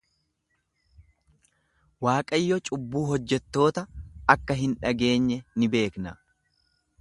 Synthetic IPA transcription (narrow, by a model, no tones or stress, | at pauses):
waːkʼɐjːɔt͡ʃʼʊbːuːɦɔd͡ʒːɛt̪ːo̞ːt̪ɐɐkːɐɦɪnᶑɐɡe̞ːɲːɛnɪbe̞ːknɐ